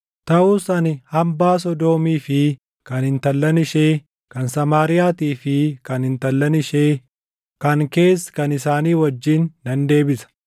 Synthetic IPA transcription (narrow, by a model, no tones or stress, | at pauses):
t̪ɐʔuːsɐnɪhɐmbaːs̬ɔd̪o̞ːmiːfɪ | kɐnhɪnt̪ɐlːɐnɪʃeː | kɐnsɐmaːɾɪjaːt̪iːfɪkɐnhɪnt̪ɐlːɐnɪʃeː | kɐŋke̞ːskɐnɪsaːniːwɐd͡ʒːinːɐnd̪e̞ːbɪsɐ̥